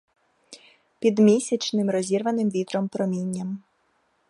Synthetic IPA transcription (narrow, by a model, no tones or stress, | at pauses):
pʲid̪mʲisʲɐt͡ʃnɪmɾɔzʲirʋɐnɪmʋʲit̪ɾɔmpɾɔmʲinʲːɐm